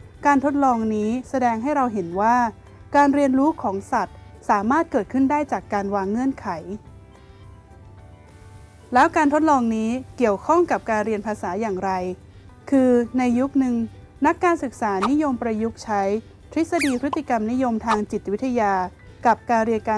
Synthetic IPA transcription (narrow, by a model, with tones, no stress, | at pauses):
kaː˧nt̪ʰo˦˥t̪̚lɔː˧ŋniː˦˥sa˧dɛː˧ŋɦa˥˩jɾa˧wɦe˩˦nwaː˥˩ | kaː˧nɾi˧ənɾuː˦˥kʰɔː˩˦ŋsa˨˩t̪̚saː˩˦maː˥˩t̪̚kɤː˨˩t̪̚kʰɯ˥˩ndaː˥˩jt͡ɕaː˨˩kːaː˧nwaː˧ŋːɯ˥˩ənkʰa˩˦j | lɛː˦˥wkaː˧nt̪ʰo˦˥t̪̚lɔː˧ŋniː˦˥ki˨˩əwkʰɔ˥˩ŋka˨˩p̚kaː˧nɾi˧ənpʰaː˧saː˩˦jaː˨˩ŋɾa˧j | kʰɯː˧na˧jːu˦˥k̚nɯ˧ŋ | na˦˥kːaː˧nsɯ˨˩k̚saː˩˦ni˦˥jo˧mpɾa˧ju˦˥k̚t͡ɕʰa˦˥j | pʰɾi˦˥sa˧diː˧pʰɾɯ˦˥t̪ːi˨˩ka˧mni˦˥jo˧mt̪ʰaː˧ŋt͡ɕi˨˩t̪̚wi˦˥t̪ʰːa˧jaː˧ | ka˨˩p̚kaː˧nɾi˧ənkaː˧